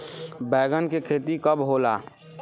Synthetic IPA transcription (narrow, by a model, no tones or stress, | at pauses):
bɛːɡənkekʰeːt̪ikəbɦoːlaː